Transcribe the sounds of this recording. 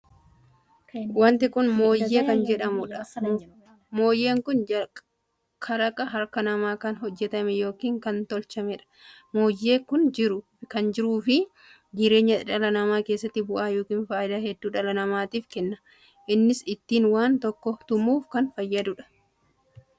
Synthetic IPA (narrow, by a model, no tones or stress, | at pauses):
wɐnt̪ɪkʊnmo̞ːjːeːkɐnd͡ʒɛᶑɐmʊᶑɐ | mo̞ːjːe̞ːŋkʊnɐ | kʰɐɾɐkʼɐɦɐɾkɐnɐmaːkɐnɦɔd͡ʒːɛt̪ɐmɛjo̞ːkiːŋkɐnt̪ɔlt͡ʃɐmɛᶑɐ̥ | mo̞ːjːe̞ːkʊnd͡ʒɪɾʊ | kɐnd͡ʒɪɾuːfɪ | d͡ʒɪɾe̞ːɲːɐᶑɐlɐnɐmaːke̞ːsːɐt̪ːɪbʊʔaːjoːkiːnfaːɪd̪aːhɛd̪ːuːᶑɐlɐnɐmaːt̪iːfkɛnːɐ | ʔɪnːɪsɪt̪ːiːnwaːnt̪ɔkːɔt̪ʊmuːfkɐnfɐjːɐd̪ʊᶑɐ̥